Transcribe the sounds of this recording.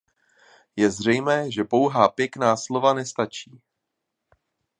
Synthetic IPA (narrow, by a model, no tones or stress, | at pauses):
jɛzr̝ɛjmɛːʒɛpo̞wɦaːpjɛknaːslo̞vanɛst̪at͡ʃiː